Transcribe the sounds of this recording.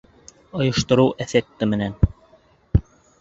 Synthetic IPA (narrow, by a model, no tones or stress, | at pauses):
ŏjŏʃt̪ŏɾɤwʔæθæk̚t̪ɘmɘ̆næn